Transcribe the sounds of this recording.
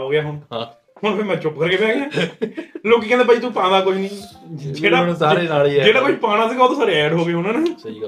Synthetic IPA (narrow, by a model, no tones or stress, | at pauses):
ɦoːɡɪjaːɦʊnã | hʊnpʰɪɾmɛ̃ːt͡ʃʊpkəɾkeːpɛ̃ːɡeãː | loːkiːkɛ̃ːnd̪eːpəiːt̪upãːd̪aːkoinĩːd͡ʒeːɽaːsaːɾeːnaːlid͡ʒeːɽaːkəipaːɽ̃ãːt̪iːbɔːt̪saːɾeːɛːɖɦoːɡeːɦʊnãːnesː